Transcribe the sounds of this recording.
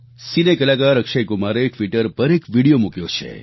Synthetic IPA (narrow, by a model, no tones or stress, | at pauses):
sinekəlakaɾəkʃejɡumaɾeʈʋiʈəɾpəɾekʋiɽijomukjot͡ʃʰḛ